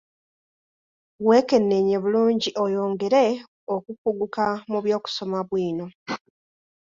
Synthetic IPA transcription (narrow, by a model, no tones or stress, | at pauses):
we̞ːke̞nːe̞ɲe̞βuluːɲɟiʔojo̞ːŋɡe̞ɾe̞ | okupuɡukamuβjo̞ːku̥so̞maβwiːno̞